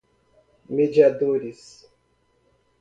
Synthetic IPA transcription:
med͡ʒiad̪oɾis

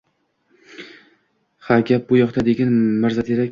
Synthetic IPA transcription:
haɡʲap̚bʊjɒχt̪ad̪eɡʲanmɪɾzat̪ʰeɾakʲ

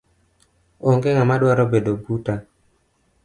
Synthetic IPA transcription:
ɔŋɡeŋamadwaɾobedobuta

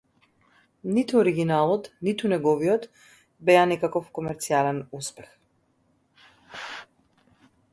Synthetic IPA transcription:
nit̪uɔɾiɡinalˠɔt̪nit̪unɛɡɔvijɔt̪ | bɛanɛkakɔfkɔmɛɾt̪sialɛnuspɛx

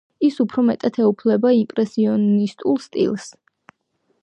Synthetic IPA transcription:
isupʰɾɔmɛt̪ʼat̪ʰɛupʰlɛbaimpʼɾɛsiɔnist̪ʼṵlˠst̪ʼḭlˠs

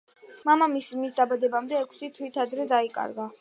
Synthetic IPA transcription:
mamamismisd̪abad̪ɛbamd̪ɛːkʷʰsit̪ʰwit̪ʰad̪ɾɛd̪aikʼa̰ɾɡa

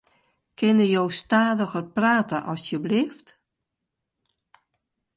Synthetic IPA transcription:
kʰɪnəjowstaːdəɣərpraːtəʔɔsjəblift

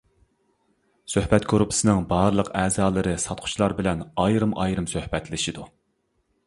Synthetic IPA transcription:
søhbɛt̪kʰoɾupʰɪ̥sɨnɪŋbɑɾlˠəqɛːzɑːlˠɨɾɨsɑt̪̚qʰʊ̥t͡ʃlˠɑɾbɪlɛnɑjɾɨmʔɑjɾɨmsøhbɛt̪lɪʃid̪u

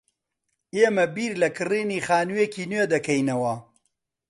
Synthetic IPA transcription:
eːmɐbiːɾlɐkʰɨriːniːχaːnujekiːnwed̪ɐkɐjnɐwɐ

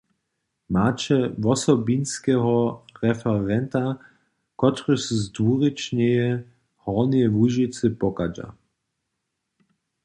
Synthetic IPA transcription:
maːt͡ʃɛvɔsɔbinskɛɦɔʁɛfɛʁɛnt̪a | kɔt̪ʁɪszd̪vuʁɪt͡ʃnɛjɛ | hɔːnɛvuʒit͡sɨpɔkad͡ʒa̰

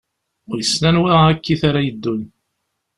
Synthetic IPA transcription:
ʊɾjəsnænwiʁækːiθaɾajəd̪ːun

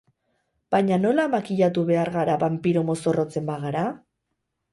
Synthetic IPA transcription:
b̥aɲano̞lamakiʎat̪̬uβe̞aɾɣaɾapampiɾomo̞so̞ro̞t͡se̞mbaɣaɾa

